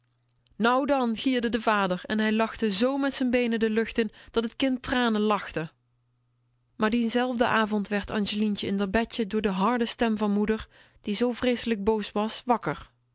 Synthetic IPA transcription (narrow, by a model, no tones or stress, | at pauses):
nʌwdɑnɣiːɹdədəvaːdəɹɛ̰nɦɛjlɑxtəzowmɛtsənbejnədəlɵxtənd̥ɑtɦət̚kɪntraːnənlɑxtə | maːɹdinzɛlˠvdəʔaːvɔntʋɛɹtʰɑ̰nʒəlintəɪndəɹbɛədʊːɹdəɦɑɹdəstɛmvɑnmudəɹ | d̥izowvrejsələɡ̚bowsʋɑsʋɑkəɹ